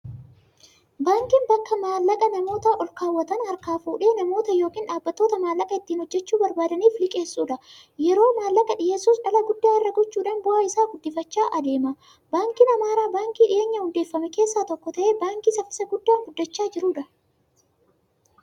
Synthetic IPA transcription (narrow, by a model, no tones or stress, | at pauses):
baːŋkinbɐkːɐmaːlːɐkʼɐnɐmo̞ːt̪ɐʔɔlkaːwːɐt̪ɐnhɐɾkaːfuːᶑe̞ːnɐmo̞ːt̪ɐjo̞ːkiːnᶑaːbːɐt̪ːoːt̪ɐmaːlːɐkʼɐɪt̪ːiːnhɔd͡ʒːɛt͡ʃːuːbɐɾbaːd̪ɐniːflɪkʼeːsːuːᶑɐ | jɛɾo̞ːmaːlːɐkʼɐᶑɪjeːsːuːsᶑɐlɐɡʊd̪ːaːɪrːɐɡɔt͡ʃːuːᶑaːnbʊʔɐɪsaːɡʊd̪ːɪfɐt͡ʃːaːʔɐd̪e̞ːmɐ | baːŋkinɐmaːɾaːbaːŋkiːᶑɪ̰jʔeːɲːɐhʊnd̪e̞ːfːɐmɛke̞ːsːaːt̪ɔkːɔt̪ɐʔe̞ːbaːŋkisɐfɪ̥sɐɡʊd̪ːaːŋɡʊd̪ːɐt͡ʃːaːd͡ʒɪɾuːᶑɐ